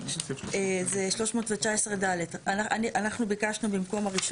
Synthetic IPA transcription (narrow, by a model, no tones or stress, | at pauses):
ezeʃlo̞ʃmoːtvet͡ʃaesʁedaledanaaniʔanaχnubikaʃnubimko̞maʁiʃ